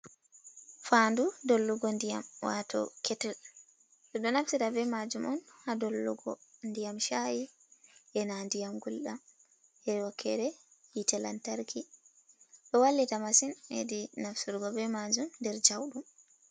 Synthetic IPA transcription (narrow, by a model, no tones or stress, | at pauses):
fandudolːuɡɔndija̰mwa̰tʰɔ̰kʰɛtɛl | ɗɔɗɔnafsitavɛmad͡ʒumɔnhadolːuɡɔ̰ndijamʃaji | ʔɛnandijamɡulɗam | ʔɛwakʰːɛɾɛhitɛla̰ntaɾkʰi | ɗɔwalːitamasinḛdinafsuɾɡɔvɛmad͡ʒumndɛɾd͡ʒawɗum